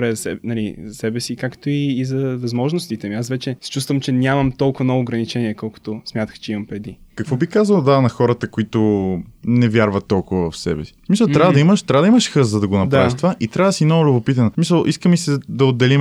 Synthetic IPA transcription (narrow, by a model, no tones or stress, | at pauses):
bɾɛzɐsɛnɐlizɐsɛbɛsikakt̪oiːzɐvɐzmɔʒnost̪it̪ɛmiasvɛt͡ʃɛsɛ̥t͡ʃust̪vəmt͡ʃɛnʲamɐmt̪ɔlˠkʊvɐnɔvʊːɡɾɐnit͡ʃɛniɛkɔlˠkʊ̥t̪osmʲjat̪ə̥xt͡ʃɛimɐmpɾɛd̪ikɐkvɔbikazəlˠd̪anɐxɔɾət̪əkoit̪o | nɛvʲjaɾvɐt̪ːɔlˠkʊvəvɐfsɛ̰bɛsi̥smisəlˠt̪ɾʲavəd̪ɐiməʃt̪ɾavəd̪ɐiməʃxəzəd̪ɐɡonɐp̪aviʃt̪ovaʔit̪ɾʲavəd̪ɐsinɔʊlʲobopit̪ɐnɐsmisəlˠʔiskəmisɛd̪ɐod̪ːɛlim